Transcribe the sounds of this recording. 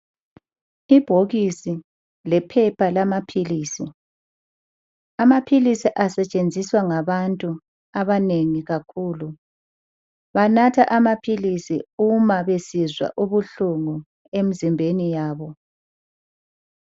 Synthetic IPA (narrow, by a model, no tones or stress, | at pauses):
ib̥ʱoɣisi | lɛpʰɛpʰalamapʰiliːsi | amapʰilisiʔasɛt͡ʃʼend͡zʱiswaŋaβantʼu | aβaneŋiɣakʰuːlu | βanatʰaʔamapʰilisḭumaβesizwa̰ʔuβuɬuŋu | emizimbʱenijaːβɔ